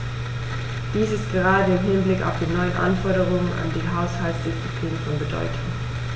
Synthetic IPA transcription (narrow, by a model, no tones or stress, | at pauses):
d̥iːsɪst̚ɡ̥əʁaːdəɪmɦɪnblɪka̰ʊfd̥iːnɔʏənʔa̰nfɔɐɾəʁ̞ʊŋənʔa̰ndiːɦaʊshaltsd̥ɪçt͡sipʰliːn̩fɔnbədɔ̰ʏtʰʊŋ